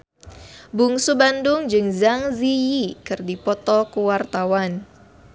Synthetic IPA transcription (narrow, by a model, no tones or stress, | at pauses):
buŋsubandʊŋd͡ʒɨŋzaŋzijikɨrdipɔt̪ɔkuwart̪awan